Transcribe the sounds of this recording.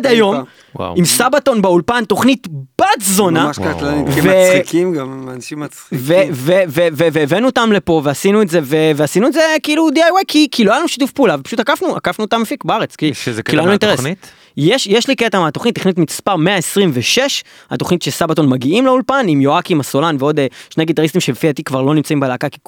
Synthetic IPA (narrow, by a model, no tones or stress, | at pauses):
d̪ajo̞m | wa̰imsabat̪o̞nbeulpant̪o̞χnit̪b̥atzo̞naʃkalvekimɡamanaʃimat͡sχiveveveveveːvenuot̪amle̞po̞veasinuetze̞veveasinuetzekiilud̪iajwejkʰikʰiloajanuʃi̥tufpuːlavepḁʃut̪akafnuʔa̰kafnuot̪amefikbaaʁe̞t͡skiʃkiloanuint̪eʁesnit̪ | jeʃjeʃliket̪amat̪oχnit̪ːiχnit̪mispaʁmeaesʁimveʃe̞ʃ | ha̰to̞χnit̪ʃesabat̪o̞nmaɡiimleulpanimjoakimaso̞lanveo̞d̪eʃne̞jɡit̪aʁist̪imʃebfiat̪ikvaʁlo̞nimt͡saimbeleakaki̥